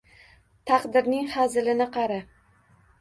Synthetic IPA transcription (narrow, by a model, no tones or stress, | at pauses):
t̪ʰɑqd̪ɪɾnɪŋhazɪlɪnɪqʰɑɾa